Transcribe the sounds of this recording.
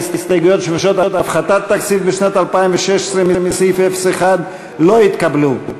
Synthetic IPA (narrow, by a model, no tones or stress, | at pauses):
sist̪ajɡujo̞t̪ʃmuʃo̞t̪at̪afχat̪at̪ːaksit̪̚beʃnat̪alpaimveʃeʃe̥sʁemimisifefeseχad̪ | lo̞it̪kablu